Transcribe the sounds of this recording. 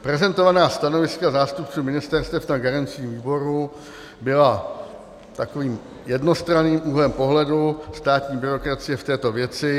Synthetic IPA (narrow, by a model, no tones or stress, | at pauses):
pɾɛzɛnt̪o̞vanaːst̪ano̞vɪskazaːst̪up̚t͡suːmɪnɪst̪ɛɾst̪ɛfnaɡaɾant͡sɪviːbo̞ɾu | bɪla | t̪ako̞viːm | jɛdno̞st̪ɾaniːmʔuːɦlɛmpo̞ɦlɛdust̪aːt̪ɲiːbɪɾo̞kɾat͡sɪjɛft̪ɛːt̪o̞vjɛt͡sɪ